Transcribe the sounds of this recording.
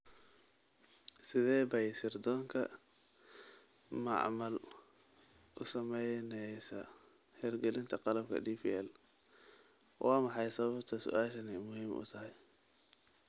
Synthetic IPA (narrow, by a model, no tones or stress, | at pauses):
sɪðɛːbɐjsɪrd̪ɔːŋkʰɐ | mɑ̰ʕmɐl | ʔʊsɐmɛjnɛjsɐ | hɛːrɡɛlɪnt̪ʰɐqɑlɐb̚kʰɐ̰d̪iːpiːɛl | wʔɑːmɑħɑjsɐβɐbt̪ʰɐsʊ̰ʔaːʃɐnɛjmʊhiːmʔʊ̰t̪ʰɐɦɛj